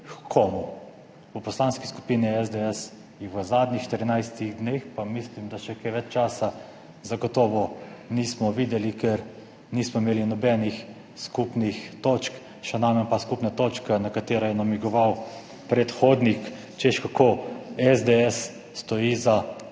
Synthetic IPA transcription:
kʰoːmu | upɔslaːnski̥sku̥piːniɛzd̪eɛs | jɛʋəzaːd̪nixʃt̪əɾinajst̪iɣd̪nexpamislimd̪aʃɛkɛʋɛt͡ʃt͡ʃaːsa | zaɡɔt̪ɔːʋɔniːsmɔʋid̪ɛlikɛɾ | niːsmɔimeːlinɔbɛːnix | skupnixt̪ot͡ʃk | ʃɛnaːmɛnpaskupnat̪oːt͡ʃkanakat̪eːɾajɛnamiɡɔʋaw | pɾɛt̪xoːd̪nik | t͡ʃeʃkakʰoɛzd̪eɛsː | t̪ɔjiːza

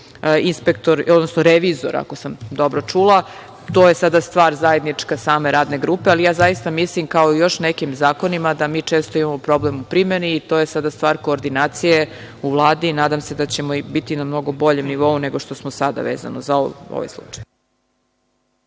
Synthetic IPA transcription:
inspekt̪o̞ɾod̪nosnoɾeʋizo̰ɾa̰kosamd̪o̞bɾot͡ʂulˠa | t̪oje̞sad̪ast̪ʋaːɾzaje̞d̪nit͡ʂkasaːme̞ɾaːd̪ne̞ɡɾuːpealijaːzajist̪amislimkao̞ijo̞ʃnekimzaːko̞nimad̪amiːt͡ʂe̞ːst̪oimamo̞pɾo̞blemupɾime̞niːt̪o̞ːje̞sad̪ast̪ʋaːɾko̞ːɾd̪inaːt̪sije | uvlˠaːd̪inaːd̪amse̞d̪at͡ɕe̞moibit̪inamno̞ɡo̞bo̞ʎe̞mniʋo̞une̞ɡoʃt̪osmosad̪a̰ʋeːza̰nozaoo̰ʋa̰jslˠṵt͡ʂḁj

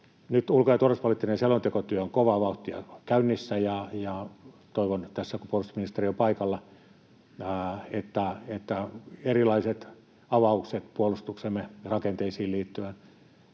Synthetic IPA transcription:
nyt̪ulkojɑt̪uorespolit̪ːinenselont̪ekot̪yøoŋkoʋɑʋɑˑuht̪iɑ̰kæynːisːæjɑjɑ | t̪oiʋont̪æsːækupuolust̪u̥sminist̪eriompɑikɑlːɑ | et̪ːæet̪ːæerilɑiset̪ | ɑʋɑukset̪puolust̪uksemːerɑkent̪eisiːliːt̪ːyæn

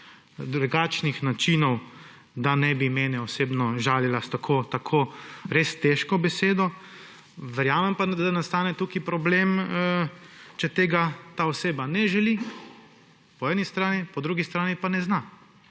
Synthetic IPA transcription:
d̪ɾuɡaːt͡ʃnixnat͡ʃinɔw | d̪anɛbimɛːnɛɔseːbnɔʒaːlilast̪akʰot̪akʰoːɾeːst̪ɛʃkɔbɛseːd̪ɔ | ʋɛɾjaːmɛmpad̪anast̪aːnɛt̪ukipɾɔblem | t͡ʃɛt̪eːɡat̪aɔseːbanɛʒɛli | pɔɛːnist̪ɾaːnipɔd̪ɾuːɡist̪ɾaːnipanɛzna

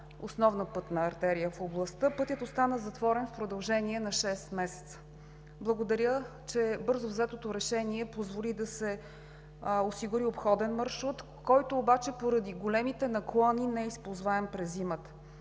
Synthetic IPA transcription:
osnɔvnəpɤt̪nɐɐɾt̪ɛɾijəfoblˠɐst̪əpɤt̪jət̪ost̪anəzɐt̪vɔɾɛnfpɾod̪ɐlˠʒɛniɛnɐʃɛst̪mɛsɛ̥t̪sə̥ | blˠɐɡod̪ɐɾʲjət͡ʃɛbɤɾzovzɛt̪ot̪oɾɛʃɛniɛpozvolid̪ɐsɛ | osiɡʊɾiopxɔd̪ɛnmɐɾʃut̪ | kɔjt̪oːbat͡ʃɛpoɾɐd̪iɡolɛmit̪ɛnɐklˠɔninɛispozvaɛmpɾɛzːimət̪ə̥

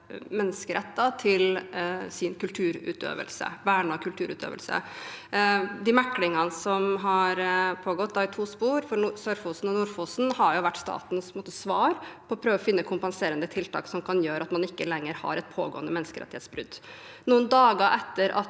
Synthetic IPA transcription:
mɛnːəskəɾɛt̪ːɑt̪ʰɪlsɪnkʉlt̪ʰʉːɾʉ̰ːt̪ø̰ːʋə̰lsə̰ʋæɳɑkʰʉlt̪ʰʉːɾʉ̰ːt̪ʰø̰ːʋə̰lsə̰ | d̪ɪmækːlɪŋɑnəsɔmɦɑɾpʰoːɡɔt̪̚ːd̪ɑɪt̪ʰuːspuːɾfɔɾsøɾfuːsn̩ɔnʊɾfusn̩hɑɾjʊʋæʈːst̪ɑ̰ːt̪n̩spmoːt̪əsʋɑːɾpʰɔːpʰɾøːʋɔfɪnːəkʰʊmpɑnseːɾənd̪ət̪ʰɪlt̪ʰɑ̰ːksɔmkʰɑnjøːɾəɑt̪mɑnɪkːəlɛŋːəɾhɑ̰ɾɛt̪pʰoːɡoːənd̪əmɛnːəskəɾɛ̰t̪ɪheːt̪sbɾʉ̰d̪ː | nuːənd̪ɑːɡɑʔɛt̪ːəɾʔɑ̰t̪

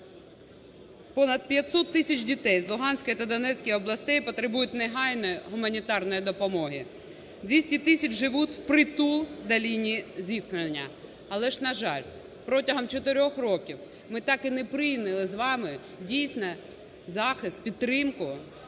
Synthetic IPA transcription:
pɔnɐd̪̚pʲjɐt̪ʲsɔt̪ːɪsʲɐt͡ʃdʲit̪ɛjzlˠʊɦɑnʲsʲkɔjit̪ɐd̪ɔnɛt͡sʲkɔjɔblˠɐsʲt̪ɛjpɔt̪ɾɪbujʊt̚ʲnɛɦɑjnɔjɔɦʊmɐnʲit̪ɑrnɔjid̪ɔpɔmɔɦi | d̪ʲʋʲisʲtʲit̪ɪsʲɐt͡ʃʒɪʋutʲwpɾɪt̪ulˠd̪ɐlʲinʲizʲit̪̚knenʲːɐ | ɐlˠɛʒnɐʒɑlʲ | pɾɔtʲɐɦɔmt͡ʃɔt̪ɪɾʲɔxrɔkʲiw | mɪt̪ɑkɪnɛpɾɪjnɪlˠɪzʋɑmɪ | dʲijsʲnɔ | zɑxɪst̪̚pʲid̪ɾɪmkʊ

